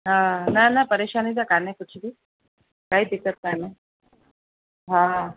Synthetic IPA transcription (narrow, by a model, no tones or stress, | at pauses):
ɦãnanapəɾeɕanit͡sakanakut͡ɕʰid̪i | kaɦiːt̪it͡sət̪̚kajna | ɦã